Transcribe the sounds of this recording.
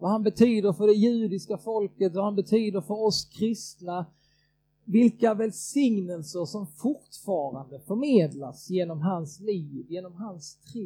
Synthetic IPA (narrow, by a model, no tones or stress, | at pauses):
vahanbɛt̪ʰyːd̪əɾfœɖɛjʉ̟ːd̪ɪskafɔlkət̪vahanbɛt̪ʰyːd̪əɾfœɾɔskʰɾɪst̪na | vɪlkavɛlsɪŋnəlsəʂɔmfʊʈfɑːɾand̪əfœɾmeːd̪la̰sjeːnɔmɦansliːvjeːnɔmɦanst̪ʰɾ